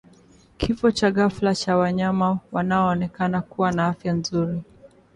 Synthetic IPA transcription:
kʰifɔt͡ʃaɣaflat͡ʃawaɲamawanaɔːnɛkanakuwanaafjanzuɾi

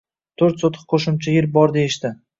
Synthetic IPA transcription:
t̪ʰɵɾt̪sot̪ʰɨ̥q̚qʰoʃʊmt͡ʃʰajɪɾbɒɾd̪ejɪʃt̪ɪ

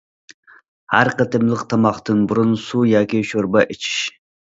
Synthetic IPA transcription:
hæɾqət̪ʰɨmlˠɨqt̪ʰɑmɑχt̪ɨnbʊɾʊnsujɑːkʲiʃoɾbɑʔet͡ʃʰi̥ʃ

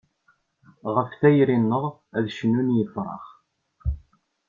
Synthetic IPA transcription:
ʁəfθæjɾinːəʁæðʃənːunjəfɾˤɑ̰ʁ

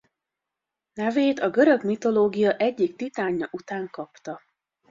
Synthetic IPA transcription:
nɛveːt̪ɒɡøɾø̞ɡmit̪o̞loːɡijɒʔɛɟːikt̪it̪aːɲːɒʔut̪aːŋkɒpt̪ɒ

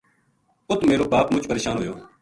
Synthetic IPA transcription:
ʊt̪meːɾoːpaːpmʊt͡ʃpəɾeːʃaːnɦoːjoː

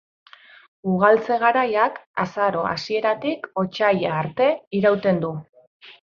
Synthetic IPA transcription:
uɣ̞alt͡se̞ɣaɾajakasaɾo̞a̰sie̞ɾat̪iko̞t͡ʃajaːɾt̪e̞iɾawt̪e̞nd̪u

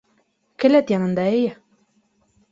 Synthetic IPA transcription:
kɘ̆læt̪jɑnɤ̆nd̪ɑejɘ

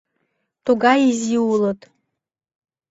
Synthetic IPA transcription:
tʰuɡaiziwulotʼ

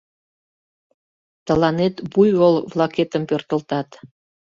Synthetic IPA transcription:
t̪ɤ̆lɑnet̪bujwolˠvlˠɑket̪ə̆mpørt̪ə̆lt̪ɑt̪

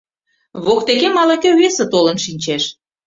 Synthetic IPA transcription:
βok̚t̪ekemɑlekʲeβesĕt̪olə̆nʃinʲt͡ɕeʃ

